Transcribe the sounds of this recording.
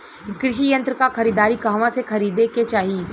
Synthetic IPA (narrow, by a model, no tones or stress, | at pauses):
kɾɪʃijə̃nt̪ɾəkaxɐɾiːd̪aːɾikaːʋãsexɐɾiːd̪eket͡ʃaːɦi